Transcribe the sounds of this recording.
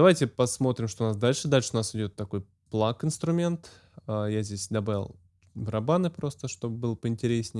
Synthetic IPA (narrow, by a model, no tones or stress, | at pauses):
d̪ɐvajtʲɪpɐsmo̞t̪ɾʲɪmʂt̪oʊnasd̪alʲʂɨd̪alʲʂɨʊnasɪdʲo̞t̪ːɐko̞j | plˠakɪnst̪ɾʊmʲe̞nt̪ | əjazʲdʲesʲd̪ɐbavʲɪ̰lˠ | vɾɐbanɨpɾo̞st̪əʂt̪o̞bbɨlˠəpəɪnʲtʲɪɾʲesʲnʲɪ